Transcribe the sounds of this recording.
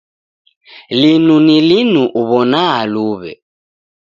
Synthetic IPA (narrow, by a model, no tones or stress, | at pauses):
linunilinuʔuβɔnaaluβɛ̰